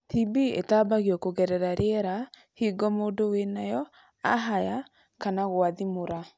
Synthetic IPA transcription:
tʰibiḛtaːbaɣjɔkoɣɛɾɛɾaɾʔeɛɾa | hiːɡɔmoːdowenajɔ | a̰ɦaja | kanaɣwaðimoɾa

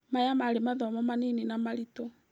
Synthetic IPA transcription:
majamaɾemaðɔmɔmanininamaɾitɔ

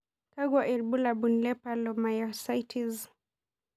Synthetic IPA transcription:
kaɡwaʔilbulabunlɛpalɔmajɔsajtʰiz

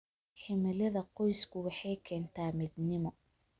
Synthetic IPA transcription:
ħɪmɪlɐðɐqɔjskʰʊwɑħɑjkʰɛːnt̪ʰaːmɪd̪nɪmɔ

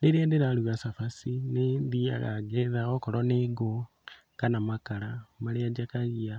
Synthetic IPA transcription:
liɾendeɾaluɣasafasineðia̰ɣa̰ɡeðaɣokoɾoneɡo | kanamakalamaliad͡ʒakaɣia

